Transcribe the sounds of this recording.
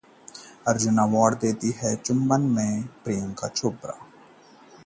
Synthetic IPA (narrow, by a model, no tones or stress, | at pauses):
əɾd͡ʒʊnaːʋaːɖd̪eːt̪iɦɛːt͡ʃʊmːənmẽːpɾijə̃ŋka̰ːt͡ʃʰoːbɾa̰ː